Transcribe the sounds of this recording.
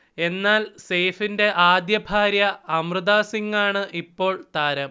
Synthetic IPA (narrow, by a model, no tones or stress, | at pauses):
e̞nːaːlse̞ːfinde̞ʔaːd̪jɐbʱaːɾjɐɐmrɨðaːsiŋːaːɳɨʔipːo̞ːɭt̪aːɾɐm